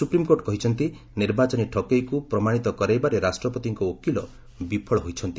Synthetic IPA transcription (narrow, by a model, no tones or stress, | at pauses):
supɾimkoʈɔkɔɦit͡ʃʰɔnt̪i | niɾbat͡ʃɔniʈʰɔkejkupɾɔmaɽ̃it̪ɔkɔɾajbaɾeɾasʈɾɔpɔt̪iŋkɔokilɔ | bipʰɔɭɔɦojt͡ʃʰɔnt̪i